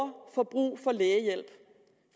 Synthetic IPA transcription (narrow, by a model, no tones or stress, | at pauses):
ɐfɒ̽b̥ʁṵːfɒ̽leːjel̰b̥